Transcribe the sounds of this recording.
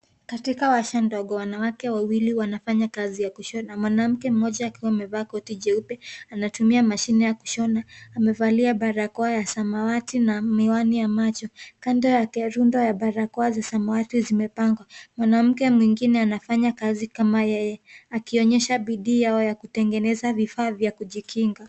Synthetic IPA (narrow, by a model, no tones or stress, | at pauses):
katikawaʃandɔɠɔwanawakɛwawiliwanafaɲakazijakuʃɔnamwanam̩kɛm̩ɔʄaːkiwaːmɛvaːkɔtiʄɛupɛanatumiamaʃinɛjakuʃɔnaːmɛvaliaɓaɾakɔajasamawatinamiwanijamat͡ʃɔkandɔjakɛɾundɔjaɓaɾakɔazasamawatizimɛpaŋɡwamwanam̩kɛmwiŋɡinɛanafaɲakazikamajɛjɛakiɔɲɛʃaɓiɗiːjaɔjakutɛŋɡɛnɛzavifaːvjakuʄikʰiŋɡa